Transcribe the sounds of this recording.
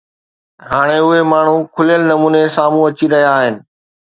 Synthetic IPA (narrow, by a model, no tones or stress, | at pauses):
ɦaːɽ̃eʊɦemaːɳ̤ũkʰʊljəlnɐmuːnesaːmũɐt͡ɕiɾɐɦijaːɦɪnɪ̆